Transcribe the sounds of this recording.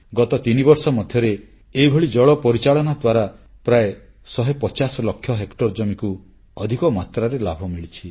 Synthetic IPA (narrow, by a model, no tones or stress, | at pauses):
ɡɔt̪ɔt̪inibɔɾsɔmɔd̪ʱjɔɾe | eibʱɔɭid͡ʒɔɭɔpɔɾit͡ʃaɭɔnad̪waɾa | pɾae | sɔɦepɔt͡ʃasɔlɔkʰjɔɦekʈɔɾd͡ʒɔmiku | ɔd̪ʱikɔmat̪ɾaɾelabʱɔmiɭit͡ʃʰi